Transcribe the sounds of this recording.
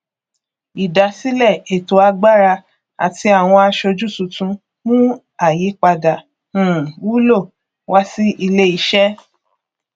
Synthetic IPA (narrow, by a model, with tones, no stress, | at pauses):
i˨da˨si˦lɛ˦˨e˨to˨˦a˧ɡ͡ba˦˨ɾa˧ | a̰˨ti˧a˨w̃ɔ̃˧a˧ʃo˧d͡ʒu˦˨sũ˨˧tũ˧ | mũ˦ | a˦˨ji˨˦k͡pa˧dã˨˦˨ | wu˦lo˦˨ | wa˦si˦ʔi˧le˦i˧˦ʃɛ˦